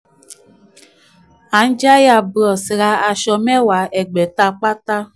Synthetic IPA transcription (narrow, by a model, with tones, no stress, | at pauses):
a˨n̩˦d͡ʒa˦ja˨bɔ˨si˨ɾa˦a˨ʃɔ˨me˦wa˨e˨ɡ͡be˨ta˦k͡pa˦ta˦